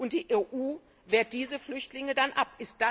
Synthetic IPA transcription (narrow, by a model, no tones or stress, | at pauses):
ʔʊnt̚d̥iːʔeʔuː | veːɐt̚d̥iːzəflʏçtlɪŋədanʔapʔɪst̚d̥a